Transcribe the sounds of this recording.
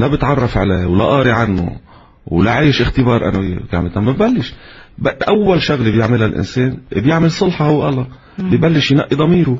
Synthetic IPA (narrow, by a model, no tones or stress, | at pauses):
labɪt̪ʕɑrˤːɑfʕaleːwla̰ʔɑːɾiʕanːʊ̰ | wlaʕiːʃʔɪxt̪ɪbɑːɾˤʔa̰naka̰ʕmɪt̪amabbalːɪʃbaʔawːalʃʊɣlbjɪʕmɪlalʔɪ̰nseːnbjɪʕmɪlsˤɨlħɑhʊwːʔa̰la | bɪjbalːɪʃjnaʔːid̪ˤɑmiːɾʊ